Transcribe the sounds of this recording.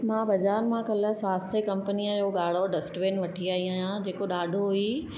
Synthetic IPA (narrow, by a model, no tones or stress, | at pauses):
mãːbɐzaːɾmãkɐləsʋaːst̪ʰəkɐ̃mpənijəd͡ʑoːɠaːɽ̤oɖɐsʈʋeːnʋɐʈʰiaːɦiaːɦjãd͡ʑeːkoɗaːɖʱoɦui